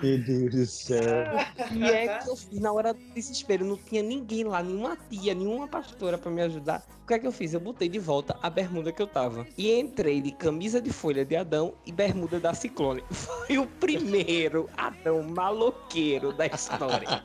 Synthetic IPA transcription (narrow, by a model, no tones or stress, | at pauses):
mid̪ezisɛɾt̪ʊiɛkɪewfiznɐɔɾɐd̪ʊd̪iziʃpeɾʊnɐ̃w̃t̪ĩɲɐnĩɡẽj̃lanẽɲũmɐt̪iɐnĩɲũmɐpaʃt̪oɾɐpɾɐmɪaʒud̪a̰ɾ | ʊkɛkɪewfizewbot̪ejd̪ɪvɔwt̪ɐʔabeɦmũd̪ɐkɪewt̪avɐɪẽt̪ɾejd̪ɪkɐ̃mizɐd̪ɪfoʎɐd̪ɪad̪ɐ̃w̃ɪbeɦmud̪ɐd̪ɐsiklõnɪfojʊpɾimejɾʊa̰d̪ɐ̃w̃malokejɾʊd̪ɐiʃt̪ɔɾiɐ̰